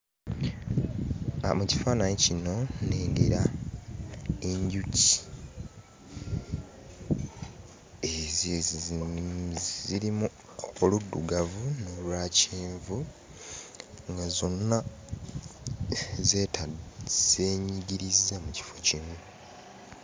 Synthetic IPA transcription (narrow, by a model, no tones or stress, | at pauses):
a̰muci̥faːnaɲecino̞neːŋɡeɾa | e̞ɲɟuci̥ | ez | ziɾimu | oludːuɡavunolwaːciːɱvu | ŋɡazo̞nːa | zeːtaz̥eːɲiɟiɾizːemuci̥fo̞cinu